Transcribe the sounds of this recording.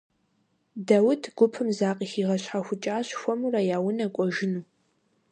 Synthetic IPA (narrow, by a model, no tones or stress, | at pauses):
dawʊtʰɡ̥ʷʊpʰɨmzaːqʼiːxiːʁɐɕħaxʷʊt͡ʃʼaːɕxʷɔmurɐjaːwʊnɐkʷʼɔʒɪnuː